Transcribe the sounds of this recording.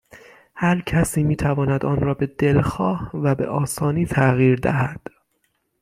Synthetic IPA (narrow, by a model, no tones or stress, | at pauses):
hæɾcʰæsiːmiːt̪ʰævɒːnæd̪ɒːnɾɒːbe̞d̪e̞lxɒːhvæbe̞̰ʔɒːsɒːniːt̪ʰæɣiːɾd̪æ̰hæd̪̥